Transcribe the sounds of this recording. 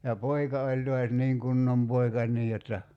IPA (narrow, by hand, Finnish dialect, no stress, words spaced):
jɑ poikɑ olʲ toɑs niːŋ kunːom poikɑ niː jotːɑ